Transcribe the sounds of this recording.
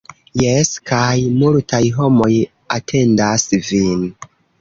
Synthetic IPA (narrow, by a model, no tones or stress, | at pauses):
jeskajmultajɦo̞mo̞j | atʰe̞ndasvin